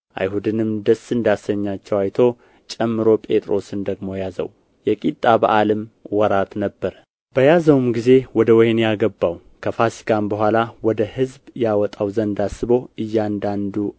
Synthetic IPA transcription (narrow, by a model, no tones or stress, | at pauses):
ʔa̰jhud̪ɨnɨmd̪əsɨnd̪asəɲːat͡ʃːɛwajt̪ʰo̞ | t͡ʃʼɛmːɨɾo̞pʼe̞t̪ʼɾo̞sɨnd̪əɡmo̞jazə̰w | jɛkʼit̪ʼːaba̰ʔalɨmwɔɾat̪nəbːəɾ | b̥əjazəwmɡize̞wɔd̪əwɔjnjaɡəbːaw | kʰəfasi̥ɡambəɦʷalawɔd̪əhɨzbjawɔt̪ʼawzənd̪asːɨbo̞ɨjːand̪and̪u